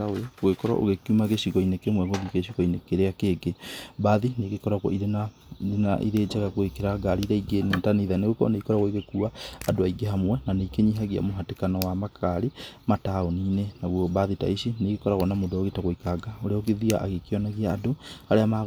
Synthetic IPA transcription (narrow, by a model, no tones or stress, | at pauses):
aɣwekɔɾɔ̰ʔo̰ɣekumaɣeʃiɣɔinekemwɛɣoðikeɕiɣɔinekeɾeakeɡebaːðineɣekɔɾaɣwɔ̰iɾena | na̰ʔḭɾeːd͡ʒaɣaɣwekeɾaɡaɾiɾaiɡenetaniðaneɣwekɔɔ̰neikɔɾaɣwɔiɣekuaːdoaiɡeɦamwɛnaneikeɲiɦaɣia̰moɦatekanɔwamakʰaɾimataoniːnenaɣwɔbaðita̰iʃineɡekɔɾaɣwɔnamodooɣetaɣoikaɡaoɾeaokeðia̰ʔaɣekeɔnaɣiaːdohaɾeama